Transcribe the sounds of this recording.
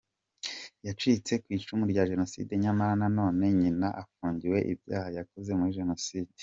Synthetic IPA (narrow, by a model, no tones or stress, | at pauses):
jat͡ʃiːt͡se̞kwiːt͡ʃumuɾɟaʒe̞no̞sḭːde̞ɲamaɾanano̞ːne̞ɲinaʔafuːɲɟiwe̞ʔḭbja̰ːhajakoze̞muɾiʒe̞no̞siːd̥e